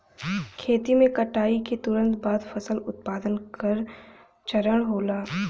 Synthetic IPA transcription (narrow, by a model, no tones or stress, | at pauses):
kʰeːt̪imẽkɐʈaːiket̪ʊɾə̃nt̪baːd̪fʰɐsəlʊt̪̚paːd̪ənkɐɾ | t͡ʃɐɾəɽ̃ɦoːlaː